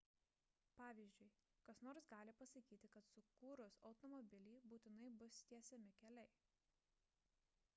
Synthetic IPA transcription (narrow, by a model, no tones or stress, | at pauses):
pɑːʋʲiːzʲd͡ʒʲʊɪkɐsnoːɾsɡɑːlʲɪpɐsɐkʲiːt̪ʲɪkɐt̪sʊkuːɾʊsɒʊt̪ɔmɔbʲɪlʲiːbuːt̪ʲɪnɐɪbʊst̪ʲiɛsʲɛmʲɪkʲɛlʲɛɪ